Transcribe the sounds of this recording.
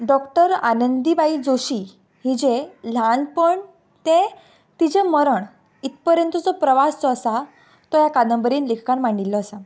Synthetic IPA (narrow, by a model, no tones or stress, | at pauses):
ɖɔkʈəɾanənd̪ibaid͡zoɕi | ɦid͡ʑẽlanpəɳ | t̪ẽ | t̪id͡ʑẽməɾəɳ | it̪̚pəɾjə̃nt̪əd͡zɔpɾəʋast͡sɔːsa | t̪ɔjakad̪ə̃mbəɾiːnlekʰkanm̤aɳilːɔːsa